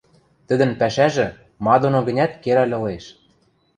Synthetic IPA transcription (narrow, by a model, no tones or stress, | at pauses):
t̪ə̆d̪ə̆npæʃæʒɘ̆ | mɑd̪onŏɡə̆nʲæt̪keɾælʲɤ̆leʃ